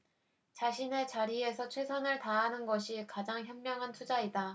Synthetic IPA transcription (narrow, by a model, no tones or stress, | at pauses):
t͡ɕaɕʰine̞t͡ɕaɾie̞sʰʌt͡ɕʰwe̞sʰʌnɯɭtaɦanɯnɡʌɕʰikad͡ʑaŋçjʌmmjʌŋɦantʰud͡ʑaida